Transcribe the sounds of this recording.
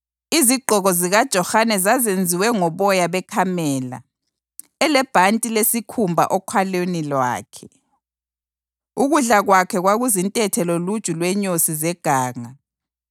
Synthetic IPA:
iziɡ͡ǃʱɔɣɔziɣad̥ʒ̥ʱɔxanɛzazend͡zʱiwɛŋɔβɔjaβɛkʰamɛːla̰ | ɛlɛb̥ʱantʼilesikʰumbʱa̰ʔɔkʰwalenilwa̰ːkʰɛ | uɣuɮaɣwakʰɛɣwaɣuzintʼɛtʰɛlolud̥ʒ̥ʼʱulwɛɲosizɛɡ̥ʱaːŋa

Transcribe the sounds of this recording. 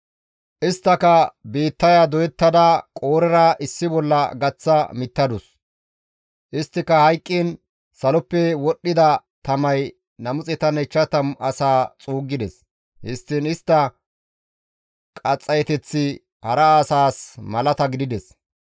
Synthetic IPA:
ʔɪst̪ːɐkɐbiːt̪ːɐjad̪ɔjɛt̪ːɐd̪ɐkʼo̞ːɾɛɾɐʔɪsːɪbɔlːɐɡɐt͡sːɐmɪt̪ːɐd̪ʊs | ʔɪst̪ːɪkːɐhɐjkʼːiːn | sɐlɔpːɛwɔɗːɪd̪ɐt̪ɐmɐj | nɐmʊt͡sʼɛt̪ɐnɛt͡ʃːɐt̪ɐmɐ̰saːt͡sʼuːɡːɪd̪ɛs | hɪst̪ːɪnɪst̪ːɐ | kʼɐt͡sʼːɐjɛt̪ɛt͡sːɪ | hɐɾɐaːsaːsmɐlɐt̪ɐɡɪd̪ɪd̪ɛs

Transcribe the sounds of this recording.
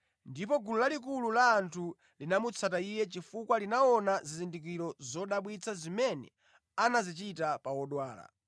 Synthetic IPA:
ndipɔɡululalik̬ululaːntʰu | linamut͡sʰataijɛt͡ʃifukwalinaɔnazizindik̬iɾɔzɔɗaɓwit͡sʰazimɛnɛ̰ | anazit͡ʃitapawɔɗwaːla̰

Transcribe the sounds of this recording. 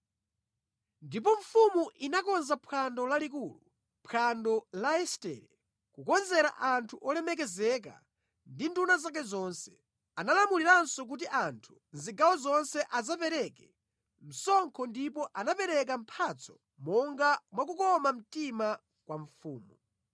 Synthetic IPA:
ndip̬ɔɱ̩fumuʔinakɔnzapʰandɔlalik̬uːlu | pʰandɔlaɛstɛ̰ːɾɛ | kukɔnzɛɾa̰ʔantʰuʔɔlɛmɛk̬ɛzɛka̰ | ndindunazak̬ɛzɔːnsɛ̥ | analamuliɾansɔk̬utiʔantʰu̥nziɡawɔzɔnsɛʔazapɛɾɛkɛ | m̩sɔŋkʰɔndipɔʔanapɛɾɛk̬am̩pʰat͡sʰɔ̥ | mɔŋɡamwak̬ukɔmam̩tima | kwaɱfuːmu

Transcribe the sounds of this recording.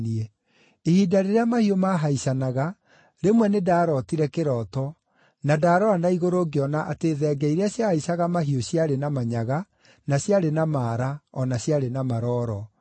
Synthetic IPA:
niɛ | ehiːdaɾeɾeamahiomaɦaisanaɣa | ɾemwɛnedaːɾɔtiɾɛkeɾɔtɔ | nadaːɾɔanaiɣoɾoɡeɔnaʔateðɛːɡɛiɾeaɕjahaisaɣamaɦioɕjaɾenamaɲaɣa | naɕjaɾenamaːɾaɔnaɕjaɾenamaɾɔːɾɔ

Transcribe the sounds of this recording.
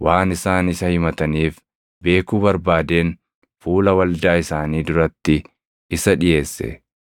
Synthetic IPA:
wʔaːnɪsaːnɪsɐhɪmɐt̪ɐniːf | be̞ːkuːbɐɾbaːd̪e̞ːn | fuːlɐwɐld̪aːɪsaːniːd̪ʊɾɐt̪ːɪ | ɪsɐᶑɪje̞ːsːɛ̰

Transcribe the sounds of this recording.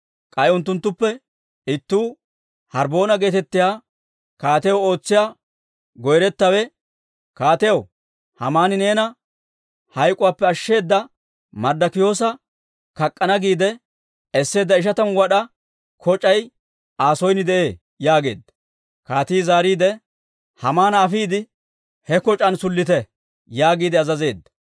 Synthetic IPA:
kʼɐjʊnt̪̬ːʊnt̪ːʊpːɛ | ɪt̪ːuː | hɐɾbo̞ːnɐɡe̞ːt̪ɛt̪ːɪjaː | kaːt̪ɛjɐwo̞ːt͡sːɪjaː | ɡɔjɾɛt̪ːɐwɛ | kaːt̪ɛjɐw | hɐmaːnɪne̞ːnɐ | hɐjkʼʊwaːpːɛɐʃːe̞ːd̪ːɐ | mɐɾd̪ɐkɪjo̞ːsɐ | kɐkʼːɐnɐɡiːd̪ɛ | ɛsːe̞ːd̪ːɐɪʃ̬ɐt̪ɐnwɐɗɐ | kʰɔt͡ʃʼɐj | aːsɔjnɪd̪ɛʔeː | jaːɡe̞ːd̪ːɐ̥ | kaːt̪iːzaːɾiːd̪ɛ | hɐmaːnɐːfiːd̪ɪ | hɛkɔt͡ʃʼɐnsʊlːɪt̪ɛ | jaːɡiːd̪ɛɐzɐze̞ːd̪ːɐ̥

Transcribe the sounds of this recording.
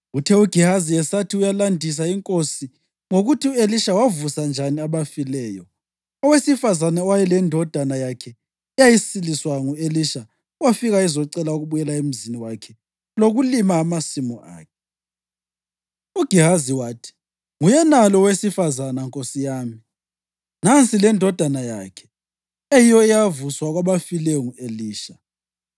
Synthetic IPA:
utʰɛuɡ̥ʱihazijɛsatʰiujalandʱis̬aiŋkʼosi | ŋoɣutʰiueliʃawavusand͡ʒʱaniaβafilɛːjɔ | ɔwesifazanaɔwajɛlɛndʱɔd̥ʱanajakʰɛ | ɛjajisiliswaŋueliʃa | wafiɣaizɔǀɛlaoɣuβujɛlaem̩ziniwakʰɛ | loɣulimaːmasimɔʔa̰ːkʰɛ | uɡ̥ʱiɦaziwaːtʰi̥ | ŋujɛnalɔwesifazanaŋkʼosijaːmi | nant͡sʼilɛndʱɔd̥ʱanajakʰɛ̥ | ejijɔɛjavuswaɣwaβafilɛŋueliːʃa

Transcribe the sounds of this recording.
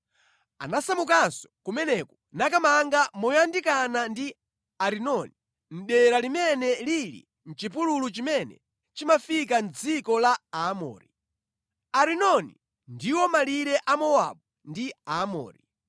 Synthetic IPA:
a̰nasamukansɔ̥kumɛnɛkɔ | nakamaŋɡamɔjandikanandi | aɾinɔni | n̩ɗɛɾalimɛnɛlilḭ | n̩t͡ʃipululut͡ʃimɛnɛ̰ | t͡ʃimafik̬and͡zikɔlaamɔ̰ːɾi | aɾinɔnḭ | ndiwɔmaliɾɛʔamɔwa̰ɓu | ndiamɔ̰ːɾi

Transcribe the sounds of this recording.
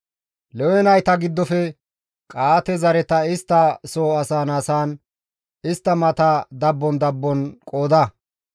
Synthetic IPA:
lɛwɛnɐjt̪ɐɡɪd̪ːɔfɛ | kʼaːt̪ɛzɐɾɛt̪ɐɪst̪ːɐsoːɐsaːnasaːn | ɪst̪ːɐmɐt̪ɐd̪ɐbːɔnd̪ɐbːɔnkʼo̞ːd̪ɐ

